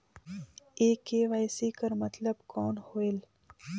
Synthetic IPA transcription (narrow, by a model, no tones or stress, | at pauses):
eːkeːʋaːjsiːkɐɾmɐt̪ləbkɔːnhoːel